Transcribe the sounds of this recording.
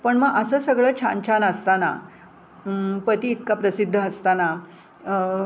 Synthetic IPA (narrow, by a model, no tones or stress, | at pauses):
pəɳməɡʔəsəːsəɡɭəːt͡ɕʰa̰nt͡ɕʰanəst̪ana̰ | pət̪iːt̪kapɾəsid̪ʱːəːst̪ana